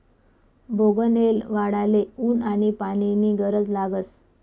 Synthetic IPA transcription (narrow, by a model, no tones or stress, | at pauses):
bʱoɡənelʋaɽaleuːnaɽ̃ipaɽ̃iniːɡəɾəd͡zlaɡət͡s